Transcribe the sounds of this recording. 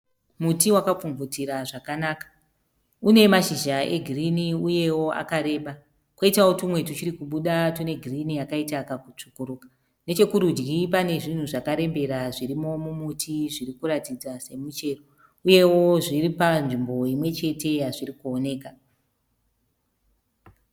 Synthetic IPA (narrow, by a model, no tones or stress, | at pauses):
mutiwakap͡fuɱvutiɾaʐakanaːkḁ | une̞maʃiʒaʔe̞̰ɡʱiriniuje̞wo̞a̰kaɾe̞ːɓa | kwoitawotumwe̞tut͡ʃiɾikuɓuɗatune̞ɡʱirinijakaitakakut͡ʂukuɾuːka | ne̞t͡ʃe̞kuɾud͡ʒɡipane̞ʐin̤uʐakaɾe̞mbe̞ɾaʐiɾimo̞mumutʰiʐiɾikuɾatid͡zase̞mut͡ʃe̞ro | uje̞wo̞ʐiɾipanʐimbo̞imwe̞t͡ʃe̞te̞ɦaʐirikuo̞ne̞ːka